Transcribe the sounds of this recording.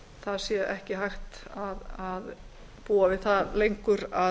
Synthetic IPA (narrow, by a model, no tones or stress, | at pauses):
θaðsjɛʔɛhcɪɦajxt̪aðað | puːavɪðθaðlejŋkʏɾa